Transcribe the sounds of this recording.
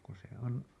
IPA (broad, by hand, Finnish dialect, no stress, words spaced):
ku se on